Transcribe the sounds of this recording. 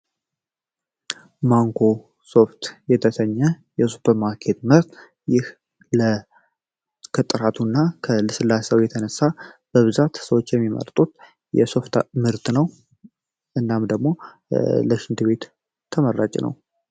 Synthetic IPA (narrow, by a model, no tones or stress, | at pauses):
maŋkʰo̞ | so̞ft̪jɛt̪ʰəsəɲːɛ | jɛsupʰəɾmaɾkʰet̪mɨɾt̪ | jɪh | lə | kʰət̪ʼːɨɾat̪ʰunːakʰəlɨsɨlːasəwjɛt̪ʰənəsːab̥əβɨzat̪səwot͡ʃːjɛmːimə̰ɾt̪ʼut̪ | jɛ̰so̞ft̪mɨɾt̪nəw | ʔɨnːamd̪əɡmo̞ | ləʃɪnd̪ɨβe̞t̪ʰː | əməɾːat͡ʃʼnə̰w